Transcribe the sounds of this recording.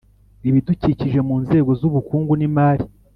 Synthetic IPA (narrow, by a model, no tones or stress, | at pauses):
iβiduciciʒe̞muːnze̞ːɡo̞zuβukuːŋɡunimaːɾi